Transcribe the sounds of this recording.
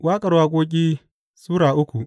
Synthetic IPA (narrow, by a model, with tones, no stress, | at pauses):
waː˦kʼɐ˨ɽwaː˦k̬ʷʼoː˦k̬ʲʼiː˦ | suː˦ɽaː˨ʔʊ˦kʷu˨ʔ